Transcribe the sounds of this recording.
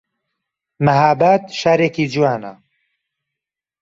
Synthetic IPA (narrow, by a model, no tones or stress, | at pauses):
mɐɦaːbat̪ʃaːɾeːkiːd͡ʒuwaːnɐ̰